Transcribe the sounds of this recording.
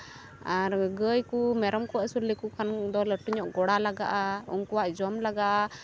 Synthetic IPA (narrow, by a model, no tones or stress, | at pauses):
aɾɡəjkumɛɾɔmkɔɛsuɾlikukʰand̪ɔləʈuɲɔʔɡɔɽalaɡa̰ʔaṵŋkuwaʔd͡ʒɔmlaɡaʔa